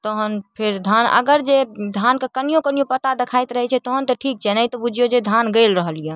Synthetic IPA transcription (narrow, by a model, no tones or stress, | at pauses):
t̪ɔɦənpʰeɾd̪ʱanə̰ɡəɾd͡ʒed̪ʱankekənijokənijopət̪ad̪ekʰajt̪ɾəɦɛt͡ʃʰɛt̪ɔɦənt̪əʈʰik̚t͡ʃʰɛnəjt̪ɔbud͡ʒʱijod͡ʒed̪ʱanɡəlɾəɦəlijə̃